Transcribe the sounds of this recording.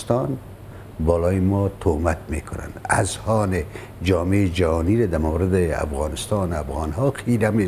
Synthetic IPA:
st̪ɑn | bɔːlɔːjɪmɔːt̪ʰomat̪meːkʰʊna̰na̰zhɔːnɪ | d͡ʒɒːmed͡ʒahɔniɾad̪amawɾɪd̪ɪa̰fɣɑːnɪst̪ɑːnafɣɑnɦɔqʰiɾame

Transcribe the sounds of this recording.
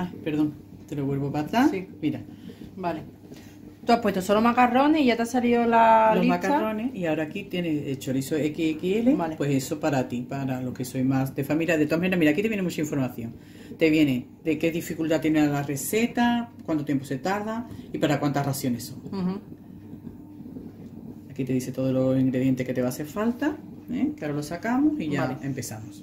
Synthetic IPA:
ape̞ɾðoŋt̪e̞loβwe̞lβopat̪ɾasimiɾabale | t̪uapwe̞t̪osolomakaro̞neiʝat̪asaliolalolimakaro̞neiaoɾaːkit̪je̞neset͡ʃo̞lisoekiekielebalepwe̞se̞so̞paɾat̪ipaɾalo̞hke̞so̞jmasd̪e̞familjaðet̪oamaneɾamiɾakit̪ejenemut͡ʃaiɱfo̞ɾmaθjo̞ŋ | t̪e̞βje̞ne | d̪e̞ke̞ðifikult̪at̪je̞nealare̞se̞t̪akwant̪ojempose̞t̪aɾðaipaɾakwant̪araθjo̞ne̞so̞̰ŋ | akit̪e̞ðiθe̞t̪o̞ðolo̞siŋɡɾeðje̞nt̪e̞hket̪e̞βaθe̞ɾfalt̪a | ẽkeaoɾalosakamosiʝaempe̞θamos

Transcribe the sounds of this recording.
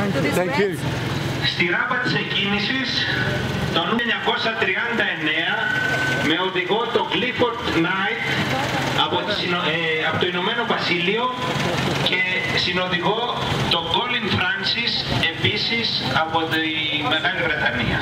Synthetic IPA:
st̪iɾɐpɐt̪i̥secinisis | t̪onuɲɐko̞sɐt̪ɾiɐnd̪ɐene̞ɐme̞o̞ðiɣo̞t̪o̞ɡlifoɾt̪nɐjt̪ | ɐpo | ɐpot̪oinome̞no̞vɐsilio̞ | ce̞sino̞ðiɣo̞ | t̪o̞ɡoliŋfɾɐnsise̞pisis | ɐpo̞t̪i | me̞ɣɐlivɾe̞t̪ɐnḭɐ̰

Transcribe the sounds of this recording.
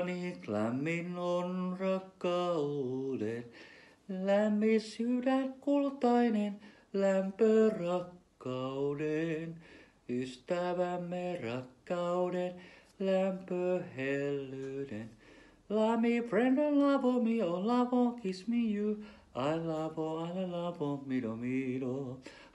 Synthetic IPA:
niklæ̰mːinonrɑkːɑuden | læmːisydækult̪ɑinen | læmpørɑkːɑuden | yst̪æʋæmːerɑkːɑuden | læmpøhelːyden | lɑmifrendonlɑvomionlɑʋõkismiju | ɑlɑvoɑlelɑvomidomido

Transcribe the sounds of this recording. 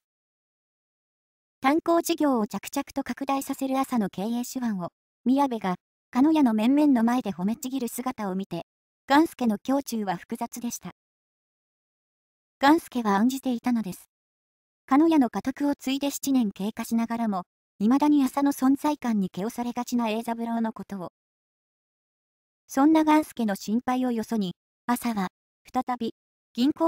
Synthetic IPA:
t̪ãŋko̞ːʑiɡʲo̞ːot͡ɕakɯ̟̥t͡ɕakɯ̟̥t̪o̞kakɯ̟d̪aisase̞ɾɯ̟asano̞ke̞ːeːɕɨβãɰ̃o̞ | mʲiabe̞ɡa | kano̞jano̞mẽ̞mːẽ̞nːo̞mae̞d̪e̞ho̞me̞t͡ɕiɡʲiɾɯ̟sɨɡat̪ao̞mʲit̪e̞ | ɡ̥ãɰ̃sɨ̥ke̞no̞kʲo̞ːt͡ɕɨːβaɸɯ̟̥kɯ̟zat͡sɨd̪e̞ɕi̥t̪a | ɡ̥ãɰ̃sɨ̥ke̞βãːɲ̟d͡ʑit̪e̞it̪ano̞d̪e̞sɨ̥ | kano̞jano̞kat̪okɯ̟o̞t͡sɨid̪e̞ɕi̥t͡ɕinẽ̞ŋke̞ːkaɕinaɡaɾamo̞ | imad̪aɲ̟iasano̞sõ̞nd͡zaikãɲ̟ːike̞o̞saɾe̞ɡat͡ɕinae̞ːzabɯ̟ɾaono̞ko̞t̪o̞ː | sõ̞nːaɡãɰ̃sɨ̥ke̞no̞ɕĩmpaio̞jo̞so̞ɲ̟i | asaβa | ɸɯ̥t̪at̪abʲi | ɡ̥ʲĩŋko

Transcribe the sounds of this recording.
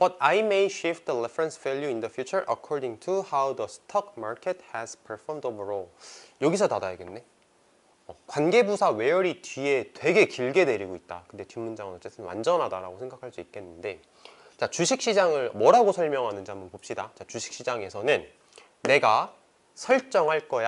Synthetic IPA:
b̥ʌtajmejɕifdəlefɾensv̥ɛʎjuindʌfʰjut͡ɕʰʌɾʔʌ̰kʰɔɾdiŋtʰuhawdəsʰtʰʌk̚ʰmaɾkʰet̚hɛspʰəɭfʌmdobɯɾojʌɡisʰʌtadajaɡe̞nːe̞ | ʌkwanɡe̞busʰawe̞jʌɾitɥie̞twe̞ɡe̞kiɭɡede̞ɾiɡoit̚t͈a̰kɯnde̞timːund͡ʑaŋɯnʌt͡ɕ͈e̞t͈ʰɯnwa̰nd͡ʑʌnɦadaɾa̰ɡosʰeŋɡakʰaɭs͈uik͈e̞nːɯnde̞ | t͡ɕat͡ɕuɕʰik̚ɕ͈id͡ʑaŋɯɭmʌɾaɡosʰʌɭmjʌŋɦanɯnd͡ʑiambʌnpop̚ɕ͈idat͡ɕat͡ɕuɕʰi̥k̚ɕ͈id͡ʑaŋe̞sʰʌnɯnː | e̞ɡa | sʰʌɭt͡ɕ͈ʌŋɦaɭk͈ʌja

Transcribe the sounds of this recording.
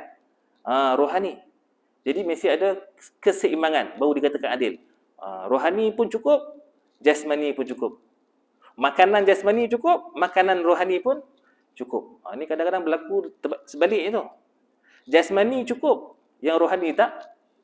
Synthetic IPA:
əɾoɦani | d͡ʒadimesiadakəsəimaŋanbaudikat̪akanadɪl | ə̰ɾoɦanipʊnt͡ʃukʊp̚ | d͡ʒasmanipʊnt͡ʃukʊp̚ | makanand͡ʒasmanit͡ʃukʊp̚makananroɦanipʊn | t͡ʃukʊ̰p̚ənikadaŋkadaŋbəlakut̪əsəbalɪʔit̪u | d͡ʒasmanit͡ʃukʊp̚ | jaŋɾoɦanit̪aʔ

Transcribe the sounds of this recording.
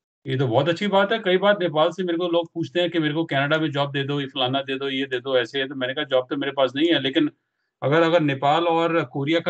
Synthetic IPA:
jeːt̪̬obɔːt̪̬ɐtːʃʰibaːt̪ɦɛkɐibaːɾneːpaːlsemeːɾekoloːɡ̚puːt͡ʃʰt̪eɦɛ̃kemeːɾekokɛːnəɖamẽd͡ʒɔːb̚d̪eːd̪oɪfʊlaːnad̪eːd̪ojed̪eːd̪oɛːseɦɛt̪omɛ̃ːnekaːɦad͡ʒɔːb̚t̪omeːɾepaːsnɐɦĩɦɛːleːkɪn | ɐɡəɾɐɡəɾneːpaːlɔːɾkoːɾijak

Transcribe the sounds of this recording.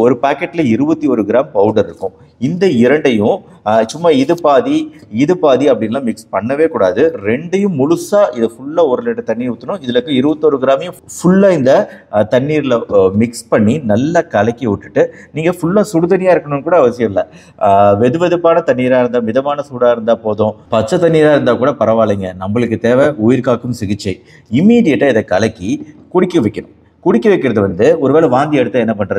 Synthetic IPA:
ɔɾɯpaːkːɛʈːɪlɐɪɾɯbɐt̪ːiɔɾɯɡɪɾaːmpɐʊɖɐɾɪɾɯkːʊ̃ | ɪnd̪ɐɪɾɐɳɖɐjʊ̃ | t͡ʃʊmːɐɪðɯpaːði | ɪðɯpaːðiɐpːɐɽɪnɐlãːmɪkspɐɳːɐʋeːkuːɽa̰ːðɯɾɛɳɖɐjɯ̃mʊɻʊsaːʔɪðɐfʊɭːaɔɾɯlɛɳɖɐt̪ɐɳːiːɾʊt̪ːɐnʊ̃ɪðɐlɐkːɯ̃ɪɾɯbɐt̪ːɔɾɯɡɪɾaːmɪjʊ̃fʊɭːaːɪnd̪ɐt̪ɐɳːiːɾɪlɐmɪkspɐɳːinɐlːakɐlɐkːɪʊʈːɯʈːɯniːŋɡɐfʊɭːaːsʊɽɯðɐnɪjaːɪɾɯkːɐɳʊːɯkuːɽɐːʋɐsɪjɐlːɐ | ʋɛðɯʋɛðɯpːaːnɐt̪ɐɳːiːɾaːɪɾɯnd̪aːmɪðɐmaːnɐsuːɽaːɪɾɯnd̪aːpoːðõːpɐt͡ʃːɐt̪ɐɳːiːɾaːɪɾɯnd̪aːkuːɽɐpɐɾɐʋaːliːŋɡɐnɐmbɐɭɯkːɯt̪eːʋeʊjɪɾkaːkːɯmsɪɣɪt͡ʃːɐɪ | ɪmːiːɽɪjɐʈːaɪðɐkɐlɐkːikʊɽɪkːɐʋɪkːɐɳʊ̃ | kʊɽɪkːɐʋɪkːɪɾɐðɯʋɐnd̪ɯɔɾɯʋeːlɐʋaːnd̪ɪɛɽɯt̪ːaɛnːɐpɐɳːɾɐð

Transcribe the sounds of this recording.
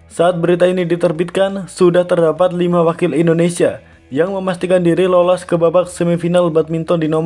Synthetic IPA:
saʔːt̪̚bəɾit̪ainidit̪ərbit̪̚kansudaht̪ərdapat̪̚limawakɪlindonesia | jaŋməmast̪ikandiɾilolɔskəbabak̚səmifinalbat̪̚mint̪ɔndinɔma

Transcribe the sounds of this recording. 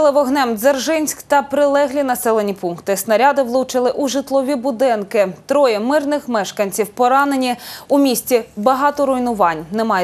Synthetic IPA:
lˠɪʋɔɦnɛmzɐrʒɪnʲsʲkt̪ɐpɾɪlˠɛɦlʲinɐsɛlˠenʲipunkt̪ɪsnɐɾʲɑd̪ɪʋlˠut͡ʃɪlˠɪʔuʒɪt̪lˠɔʋʲibʊd̪ɪnkɪt̪ɾɔjɛmɪrnɪxmɛʃkɐnʲt͡sʲiwpɔɾɑnenʲiumʲisʲt͡sʲibɐɦɑt̪ɔɾʊjnʊʋɑnʲnɛmɑj

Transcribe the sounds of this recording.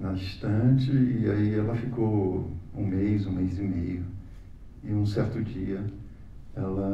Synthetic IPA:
nɐiʃt̪ɐ̃t͡ʃɪːaiɛlɐfikowũmejzũmejzimejʊ | ɪũsɛɾt̪ʊd͡ʒiɐ | ɛlɐ

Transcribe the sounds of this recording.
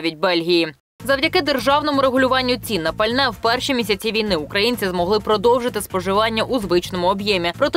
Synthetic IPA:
ʋʲidʲbɛlʲɦʲijji | zɐwdʲɐkɪd̪erʒɑwnɔmʊɾeɦʊlʲʊʋɑnʲːʊt͡sʲinːɐpɐlʲnɛwpɛrʃimʲisʲɐt͡sʲiʋʲijnɪʊkɾɐjinʲt͡sʲizmɔɦlˠɪpɾɔd̪ɔwʒɪt̪ɪspɔʒɪʋɑnʲːɐʔuzʋɪt͡ʃnɔmʊɔbjɛmʲipɾɔt̪

